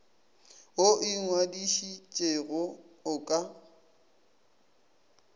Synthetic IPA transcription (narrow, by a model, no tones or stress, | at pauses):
oʔɪŋwadiʃit͡ʃʼeɣɔʊkʼa